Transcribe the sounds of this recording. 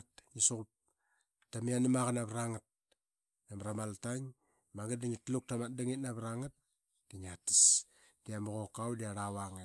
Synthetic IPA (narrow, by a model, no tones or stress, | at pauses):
tɲisokup̚ | tamianamaɣanaβɾaŋat̚ | namɾamaltaŋ | maŋɡatdaŋitluk̚tamat̚daŋit̚naβɾaŋat̚ | d̥iŋati̥s | d̥iamoɣokawdiaɾawaŋe